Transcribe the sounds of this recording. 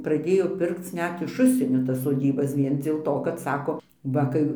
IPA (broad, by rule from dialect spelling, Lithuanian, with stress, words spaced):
prɐˈdʲeːjoː ˈpʲɪrkt͡s ˈnʲɛt ɪʃ ˈʊʃʲsʲiɛnʲoː tɐs soːˈdʲiːbɐs ˈʋʲiɛn d͡zʲeːlˠ ˈtoː kɐt ˈsɑːkoː ˈʋɐ kɐɪ